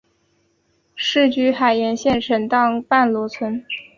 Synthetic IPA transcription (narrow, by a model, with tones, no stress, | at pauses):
ʂɻ̩˥˧t͡ɕy˥˩xa˨˩ɪjɛ˧˥nɕjɛ˥˧nʈ͡ʂʰə˧˥nt̪ɑ˥˧ŋpa˥˩nlwɔ˧˥t͡sʰwə˧˥n